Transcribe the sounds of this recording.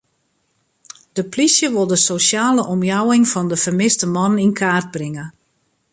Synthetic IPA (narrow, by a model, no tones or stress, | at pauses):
d̥əplisjəʋolˠdəsosaːləʔɔmjawɪŋfɔndəfərmɪstəmɔnninkʰaːrd̚brɪŋə